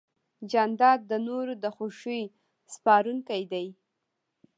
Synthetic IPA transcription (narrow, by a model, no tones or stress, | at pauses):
d͡ʒand̪ɑd̪̚ːənoɾod̪əxoʃuj | spɑɾuŋkajd̪aj